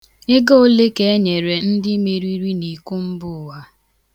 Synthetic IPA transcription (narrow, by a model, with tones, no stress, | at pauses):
ɪ˦ɡo˦o˦le˦ke˦e˦ɲe˨ɾe˨n̩˦dɪ˦me˨ɾi˦ɾi˦ni˨ku˦m̩˦bʊ˦˨wa˦